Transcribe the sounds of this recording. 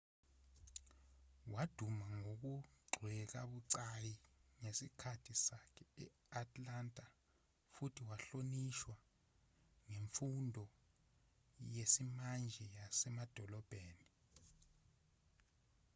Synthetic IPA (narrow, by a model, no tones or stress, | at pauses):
wad̥ʱumaŋok̬uɡ͡ǀʱwɛk̬aɓuǀajiŋesikʰatʰisakʰɛɛ̰ | atʰʼlantʼa | futʰiwaɬoniʃwa | ŋeɱfundʱɔ | jesimand͡ʒʱɛjasɛmad̥ʱɔlɔb̥ʱeːni